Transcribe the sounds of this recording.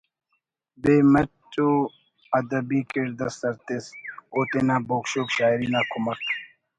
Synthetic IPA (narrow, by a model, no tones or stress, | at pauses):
beːmɐt͡ʃoː | ɐd̪ɐbiːkeɾd̪ɐst̪ɐɾt̪esoːt̪enãːboːkɕoːkɕaːjɾiːnaːkʰʊmɐkt̪